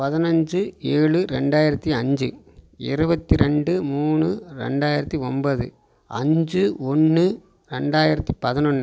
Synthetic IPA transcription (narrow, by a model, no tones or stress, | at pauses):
pɐðɪnɐɲd͡ʒɯeːɭɯɾɛɳɖaːjɪɾɐt̪ːiɐɲd͡ʒɯ | ɪɾɯbɐt̪ːiɾɛɳɖɯmuːnɯɾɛ̰ɳɖaːjɪɾɐt̪ːiɔnbɐðɯ̰ | ɐ̰ɲd͡ʒɯɔnːɯ | ɾɛɳɖaːjɪɾɐt̪ːipɐðɪnɔnː